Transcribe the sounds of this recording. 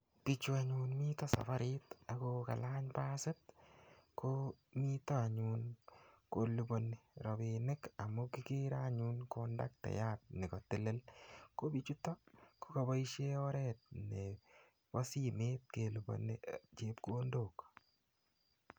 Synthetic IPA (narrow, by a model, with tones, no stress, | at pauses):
pi˨t͡ʃu˨a˨ɲu˨nmi˦tɔ˦sa̰˨fa˦ɾɪta˨koka̰˨la˦ɲpaːsɪ˦t̚ | komi˦tɔ˦a˨ɲunko˨lu˨bo˨neɾɔ˨benɪ˦ka˨mu˦ki˦ke˦ɾaɲunkonda˦k̚tɛ̰˨ja˦t̚nɪ˨kɔ˨tɪ˨lɪ˦lko˦bi˨t͡ʃu˦tɔ˦ko̥˦ka˨ba˦i˦ʃe˦ɔ˦ɾɛt̚nɛ | pɔ˦si˦meːt̚ke˨lubo̰˨net͡ʃep̚ko˦ndoː˨k